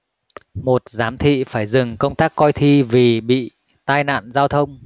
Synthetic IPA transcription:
mo˨˩t̚zaː˨˦mt̪ʰḭ˧˨faː˧˩jzɨ˨˩ŋkə˧wŋ͡mt̪aː˦˥kːɔ˧jt̪ʰi˧vi˨˩ɓḭ˧˨ | t̪aː˧jna̰ː˧˨nzaː˧wt̪ʰə˧wŋ͡m

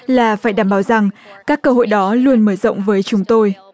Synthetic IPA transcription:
laː˨˩faː˧˩jɗaː˧˩mɓaː˨˦wza˨˩ŋkaː˦˥kːəː˧ɦo̰˧˨jɗɔ˨˦lu˧ənməː˧˩zɔ̰˧˨wŋ͡mvəː˨˦jt͡ɕʊ˨˦ŋ͡mt̪o˧j

